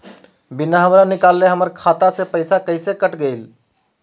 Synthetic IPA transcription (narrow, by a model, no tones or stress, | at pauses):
binaɦəmɾanikalːeɦəməɾkʰat̪asepəɪsakəɪsekəʈɡəɪl